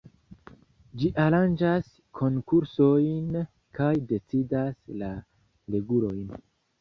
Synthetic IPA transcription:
d͡ʒiʔaɾand͡ʒas | kʰo̞ŋkuɾso̞jn | kajde̞t͡sidasla | leɡulo̞jn

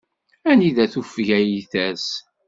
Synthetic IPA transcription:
æniðæθufʝæjiθæs

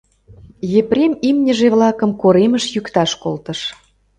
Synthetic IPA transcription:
jeprʲemimnʲəʒeβlɑkəmkoɾeməʃjykt̪ɑʃkolt̪ə̆ʃ

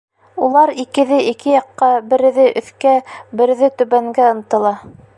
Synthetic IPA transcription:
ulˠɑɾikɘ̆ðɘʔikɘjɑqːɑbɘ̆ɾɘ̆ðɘʔɵ̆θkæbɘ̆ɾɘ̆ðɘt̪ɵ̆βæŋɡæɤ̆n̆t̪ɤ̆lˠɑ

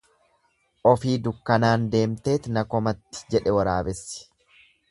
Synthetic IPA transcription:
ʔɔfiːd̪ʊkːɐnaːnd̪e̞ːmt̪e̞ːt̪nɐkɔmɐt̪ːɪ̥d͡ʒɛᶑɛwɐɾa̰ːbɛsːɪ̥

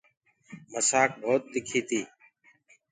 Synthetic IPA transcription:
məsaːk̚bʱoːt̪̚d̪ɪkʰiːt̪ʰiː

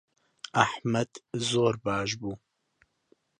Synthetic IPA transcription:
aħmɐd̪zoːɾbɑːʃ̬buː

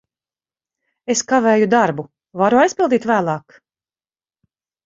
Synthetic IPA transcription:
eskavɛːjud̪aɾbu | vaɾuajspilˠd̪iːt̪væːlˠɑːk

